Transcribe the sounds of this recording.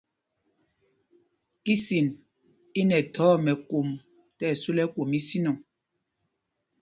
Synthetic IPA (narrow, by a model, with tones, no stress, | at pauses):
ki˦si˨n | i˦nɛ˨tʰɔ˨˦mɛ˨ko˨m | tɛ˦˨su˦lɛ˦kwo˨mi˦si˦nɔ˨ŋ